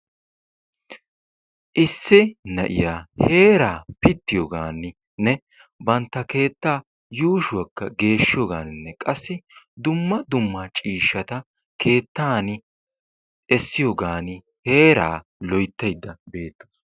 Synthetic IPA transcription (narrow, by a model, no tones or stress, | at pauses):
ʔɪsːɪnɐ̰ʔɪ̰jaːhe̞ːɾaːpɪt̪ːɪjɔɡaːnɪ | nɛ | bɐnt̪ːɐke̞ːt̪ːaː | juːʃʊwɐkːɐɡe̞ːʃːɪjɔɡaːnɪnːɛkʼɐsːɪd̪ʊmːɐd̪ʊmːɐt͡ʃʼiːʃːɐt̪ɐ | kʰe̞ːt̪ːaːnɪ | ɛsːɪjɔɡaːnɪ | he̞ːɾa̰ːlɔjt̪ːɐjd̪ːɐbe̞ːt̪ːo̥s